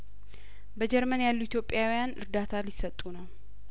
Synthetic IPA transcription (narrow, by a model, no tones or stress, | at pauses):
bəd͡ʒɛɾmənjalːuit̪jo̞pʼjawjanɨɾd̪at̪ʰalɪsːət̪ʼunəw